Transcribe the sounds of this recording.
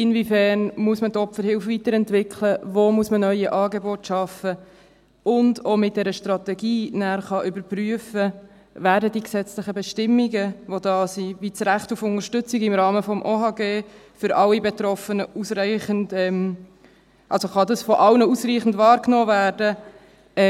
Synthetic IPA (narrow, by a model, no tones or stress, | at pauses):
ɪnvifæːɾnmuəsmətɔpfəɾhɪlfʋitəɾɛntvɪkʰləvoːmuəsmənœʏəʔɑːɡeboːtʃɑfə | ʊndomɪt̚d̥ɛɾəʃtɾɑt̪ɛɡiːnæːɾχɑʔʏbəɾpryəfə | væːɾdədiksɛt͡slɪχəbɛʃtɪmːiɡəʋodɑːsivit͡sɾæχtufʊŋəɾʃtʏt͡sɪɡɪmɾɑːməfɔmʔohɑːɡeː | fʏɾʔɑlːibɛtɾɔfənəusræɪχəndɛm | ʔɑlsoχɑdɑsfɔʔɑlnəusriːχn̩dvɑːɾknɔːvæːɾdə